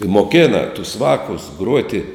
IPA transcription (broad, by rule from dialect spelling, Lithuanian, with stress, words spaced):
ɪ moːˈkʲeːnɐ tʊs ˈʋɑːkʊs ˈɡruɔtʲɪ